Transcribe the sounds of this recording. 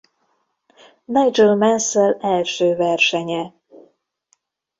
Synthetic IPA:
najd͡ʒølmɛnsɛlɛlʃøːvɛrʃɛɲɛ

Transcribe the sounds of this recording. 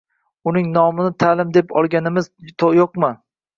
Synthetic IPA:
ʊnɪŋnɒmɪnɪt̪ʰalɪmd̪e̞pʰɒlˠɡʲanɪmɪz̥t̪ʰojoqmɪ

